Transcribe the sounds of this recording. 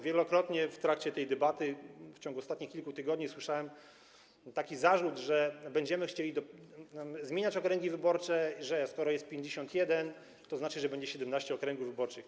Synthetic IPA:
vʲjɛlɔkɾɔt̪ɲɛft̪ɾakt͡ɕɛt̪ɛjd̪ɛbat̪ɘft͡ɕɔ̃ŋɡuɔst̪at̪̚ɲixkʲilkut̪ɘɡɔd̪ɲiswɘʂawɛm | t̪akʲizaʐud̪ʐɛbɛɲd͡ʑɛmɘxt͡ɕelʲid̪ɔ | zmʲjeɲat͡ɕɔkɾɛŋɡʲivɘbɔɾt͡ʂɛiʐɛskɔɾɔjɛst̪̚pʲjeɲd͡ʑeɕɔnt̪jɛd̪ɛn | t̪ɔznat͡ʂɘʐɛbɛɲd͡ʑɛɕɛd̪ɛmnaɕt͡ɕɛɔkɾɛŋɡuvvɘbɔɾt͡ʂɘx

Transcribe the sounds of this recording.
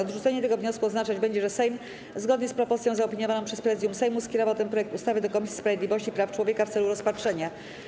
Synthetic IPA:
ɔd̪ʐut̪sɛɲɛt̪ɛɡɔvɲɔskuɔznat͡ʂad͡ʑbɛɲd͡ʑɛʐɛsɛjm | zɡɔd̪ɲɛspɾɔpɔssʲjɔ̃zaɔpʲiɲɔvanɔ̃ʂɛspɾɛzjumsɛjmuskʲɛɾɔvat̪ɛnpɾɔjɛkt̪ust̪avɘd̪ɔkɔmʲisʲispɾavjed̪lʲivɔɕt͡ɕipɾaft͡ʂwɔvʲjekaft̪sɛluɾɔspatʂɛɲa

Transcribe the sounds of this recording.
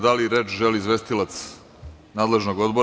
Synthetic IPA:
d̪aliɾe̞ːt͡ʃʒe̞lizʋe̞st̪ilat̪s | naːd̪le̞ʒnoɡo̞d̪bo

